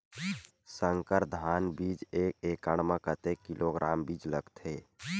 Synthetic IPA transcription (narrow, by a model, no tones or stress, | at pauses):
səŋkəɾd̪ʱaːnbiːd͡ʒeːkekəɽ̃mãkət̪ekilʔoɡɾʔaːmbid͡ʒləɡt̪ʰeː